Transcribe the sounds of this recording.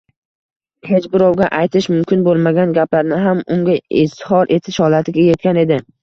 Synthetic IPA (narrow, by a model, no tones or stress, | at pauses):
he̞t͡ʃbɪɾɒwɡʲaʔajt̪ʰɪʃmʊmkʲʰɪnbolˠmaɡʲanɡʲaplaɾnɪɦamʊŋɡʲaɪzt̪hɒɾʔe̞t̪ʰɪʃhɒlat̪ʰɪɡʲaje̞t̪̚kʲane̞d̪ɪ